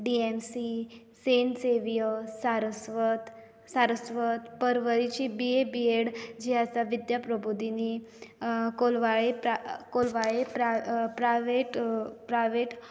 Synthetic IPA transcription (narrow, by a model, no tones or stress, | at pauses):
ɖiemsi | senseʋijəsaɾəsʋət̪ | saɾəsʋət̪pəɾʋəɾit͡ɕibiebieɽd͡ʑiasaʋid̪japɾəbʱud̪ini | kolʋaɭepakolʋaɭepɾapɾaʋeʈpɾajʋeʈ